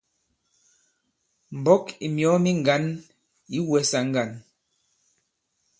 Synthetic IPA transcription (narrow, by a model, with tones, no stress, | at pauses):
m̩˨bɔ˦ki˨mjɔ˨˦mi˦ŋ˨ɡa˨˦n | i˦wɛ˨˦sa˨ŋ̩˦ɡa˨n